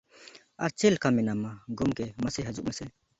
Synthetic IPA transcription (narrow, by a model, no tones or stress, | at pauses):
aɾt͡ʃɛlkamɛnamaɡumkɛməsɛɦɐd͡ʒuʔmasɛ